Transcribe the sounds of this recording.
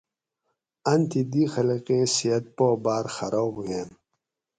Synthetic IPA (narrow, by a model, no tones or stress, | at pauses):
ɐnt̪ʰid̪ixɐliqẽsiɐt̪̚poːbaːɾxaɾoːbɡen